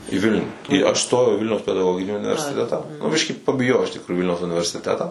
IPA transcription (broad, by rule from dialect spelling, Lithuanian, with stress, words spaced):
iː ˈʋʲɪlʲnʲuː iː ɐʃ ˈstoːjɛʊ iː ˈʋʲɪlʲnʲɛʊs pʲɛdɐˈɡoːɡʲɪnʲiː ʊnʲɪʋʲɛrʲsʲɪˈtʲæːtɑː nʊ ˈbʲɪʃʲkʲiː pɐbʲɪˈjoːjɛʊ ɪʃ tʲɪkˈrʊjʊ iː ˈʋʲɪlʲnʲɛʊs ʊnʲɪʋʲɛrʲsʲɪˈtʲæːtɑː